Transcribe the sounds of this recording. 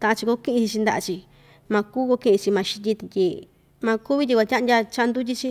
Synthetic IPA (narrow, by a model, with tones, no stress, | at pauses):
t̪a˧ʔã˧t͡ʃi˧ko˦kĩ˦ʔĩ˧t͡ʃi˧t͡ʃi˧nd̪a˧ʔa̰˧t͡ʃi˧ | mã˧kuː˦ko˧kĩ˦ʔĩ˧t͡ʃi˧mã˧ʃi̥˧t̪̬ʲi˦t̪i˧t̪ʲi˧ | mã˧ku˦βi˦t̪ʲi˧kʷa˧tʲã˦˧ndʲa˧t͡ʃa˦nd̪u˦t̪̬ʲi˦t͡ʃi˦˧